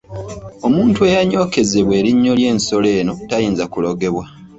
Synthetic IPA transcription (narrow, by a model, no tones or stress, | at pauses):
o̞muːntue̞jaɲo̞ːke̞ze̞βwe̞ːɾiɲːo̞lje̞ːnso̞le̞ːno̞tajiːnzakulo̞ɡe̞βwa